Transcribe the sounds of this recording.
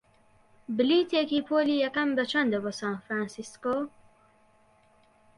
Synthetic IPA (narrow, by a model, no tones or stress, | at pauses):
bɨliːt̪ʰekiːpʰoːliːjɛkɐmbɐt͡ʃʰɐnd̪əbosaːnfɾaːnsisko